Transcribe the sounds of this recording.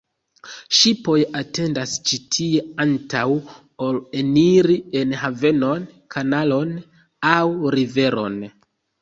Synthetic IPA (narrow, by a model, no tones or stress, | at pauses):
ʃipo̞jate̞ndast͡ʃitʰie̞antaw | oleniɾienɦave̞no̞n | kʰanalo̞n | awɾive̞ɾo̞̰n